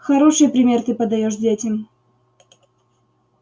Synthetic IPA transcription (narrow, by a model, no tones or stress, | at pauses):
xɐɾo̞ʂɨjpɾʲɪmʲe̞rt̪ɨpəd̪ɐjoʂdʲetʲɪm